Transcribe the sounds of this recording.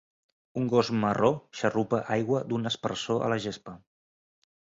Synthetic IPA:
uŋɡozməroʃərupəʔajɣwəd̪unəspəɾsoʔə̰ləʒespə

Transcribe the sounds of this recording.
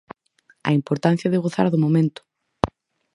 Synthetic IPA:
ɐ̰impoɾt̪an̟θjɐðeɣoθa̰ɾðomomẽnt̪ʊ̥

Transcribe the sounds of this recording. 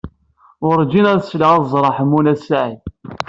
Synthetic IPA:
ʊɾˤd͡ʒinæðsləʁæzˤɾˤɑħəmunæsaʕi

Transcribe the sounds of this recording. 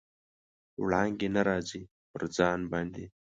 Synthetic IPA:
wɭɑːŋɡenɐɾaːzi | pəɾd͡zɑːnbaːnd̪i

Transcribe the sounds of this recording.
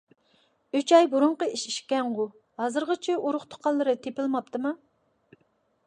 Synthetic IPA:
yt͡ʃɑjbuɾʊɴqəiʃiʃkʲɛŋʁu | hɑzɨɾʁət͡ʃʰɪʔuɾʊχt̪ʰo̥qʰɑnlˠːɨɾɨt̪ʰepɪlˠmɑp̚t̪ɨmɑ

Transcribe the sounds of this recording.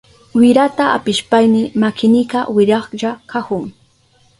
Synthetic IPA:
wɪɾat̪aa̰pɪʃpajnɪmakɪnɪkawɪɾɑχʎakahʊŋ

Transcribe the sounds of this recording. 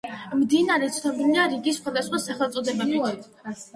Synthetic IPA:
md̪inaɾɛt̪sʰnʰɔbiniaɾiɡisχwad̪asχwasaχɛlˠt̪sʼɔd̪ɛbɛbit̪

